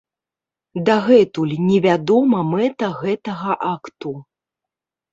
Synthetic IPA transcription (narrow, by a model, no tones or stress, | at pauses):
d̪aɣɛt̪ulʲnʲɛvʲad̪ɔmɐmɛt̪ɐɣɛt̪ɐɣɐʔakt̪u